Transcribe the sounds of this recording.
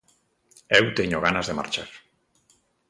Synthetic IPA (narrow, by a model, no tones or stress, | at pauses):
ewt̪eɲoɣ̞anazðema̰ɾt͡ʃaɾ